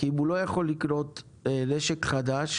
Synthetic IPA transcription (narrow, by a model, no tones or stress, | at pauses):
kiimulo̞jaχo̞lːikɾo̞t̪ | leʃekχad̪aʃ